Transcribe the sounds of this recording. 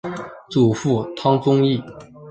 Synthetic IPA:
t͡su˨˩fu˥˩t̪ʰɑ˥ŋt͡sʊ˥ŋi˥˩

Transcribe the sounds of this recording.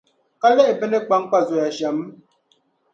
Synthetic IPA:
ka˦le˦ʔe˨be˦ne˦k͡pa˦ŋ̩˦k͡pa˦˨zo˨ja˨ʃa˨m̩˦

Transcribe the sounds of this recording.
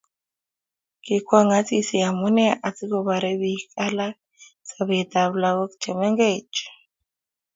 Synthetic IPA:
ki˨kʰwa˦ŋa˦t͡si˦si˨a˨mu˦nɛ˦ʔa˨t͡si˦kɔ˨βa˨ɾɛ˦βikʼa˦la˦ | saβɛt̪a˨βla˨βɔ˦kt͡ʃʰɛ˨mɛ˦ŋɡet͡ʃ

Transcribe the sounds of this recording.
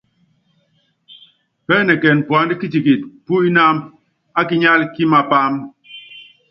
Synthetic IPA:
pɛː˦nɛ˨kɛ˨n˨pwa˨˦ndi˦ki˦ti˨ki˨t̚pu˦i˦na˦m | a˦ki˦ɲa˦lki˦ma˨pa˦m

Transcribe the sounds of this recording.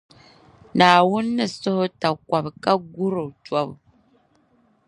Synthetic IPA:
naː˨wʊ˦nːɨ˦˨sʊ˦hʊ˦ta˨kwa˨bka˦ɡu˦ɾo˨twa˦b

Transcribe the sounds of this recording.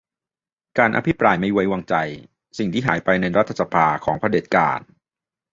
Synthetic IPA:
kaː˧nʔa̰˧pʰi˦˥pɾaː˧jma˥˩jwa˧jwa˧ŋt͡ɕa˧j | si˨˩ŋt̪ʰiː˥˩ɦaː˩˦jpa˧jna˧jɾa˦˥t̪ʰːa˧sa˧pʰaː˧kʰɔː˩˦ŋpʰɾa˧deː˨˩t̪̚ka̰ː˧n

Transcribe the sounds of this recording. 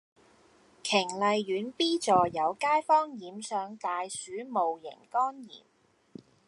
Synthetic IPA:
kʰɪ˨˩ŋlɐ˨jɥyː˨˥npiː˥t͡sɔː˨˩jɐ˨˧wkaː˥jfɔː˥ŋjiː˨˥msœː˨˧ŋt̪aː˨jsyː˨˥mo˨wjɪ̰˨˩ŋkɔː˥njḭː˨˩m

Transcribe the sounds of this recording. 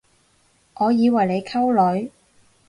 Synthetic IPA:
ʔɔː˨˧jiː˨˧wɐ˨˩jle˨˧jkʰɐ˥wlɵ˨˧ɥ

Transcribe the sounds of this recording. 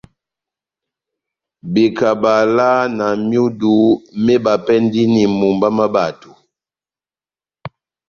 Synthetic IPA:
bi˨ka˨ba˨la˦na˨mju˦du˨˦mɛ˦ba˨pɛ˦n˦di˦ni˨mu˨mba˦ma˦ba˨tu˨

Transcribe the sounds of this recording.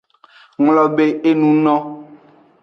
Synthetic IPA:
ŋlɔ˨be˦e˦nũ˦nɔ̃˦

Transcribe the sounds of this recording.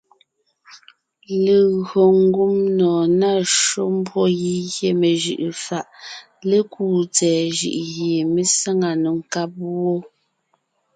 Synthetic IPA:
le˨ɣɰo˨ŋ˦ɡu˦mnɔː˨na˦˨ʃo˦m˦bwɔ˦ji˦ɣje˦me˨ʒi˨ʔe˨fa˨ʔ | le˦kuː˦˨t͡sɛː˨ʒḭ˨ʔɣje˨me˦sa˦ŋa˨nu˨ŋ̩˨ka˦p̚wo˦

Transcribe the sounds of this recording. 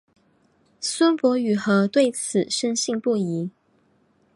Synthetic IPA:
swə˥npwɔ˧˥y˨˩xɤ˧˥t̪we˥˩ɪt͡sʰɹ̩˨˩ʂə˥nɕi˥˧ŋpu˥˩i˧˥

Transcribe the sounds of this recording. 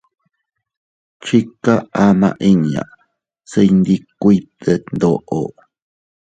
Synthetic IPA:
t͡ʃi˦ka˦amã̰˧ʔi˦ni˨a̰˨ʔ | sə˧jnd̪i˦kui˦t̪ə˧nd̪o˨ʔo̰ʔ

